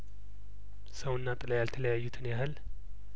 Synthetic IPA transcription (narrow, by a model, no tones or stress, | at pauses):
səwɨnːat̪ʼələjalt̪ʰələjajːut̪ʰɨnjahɨl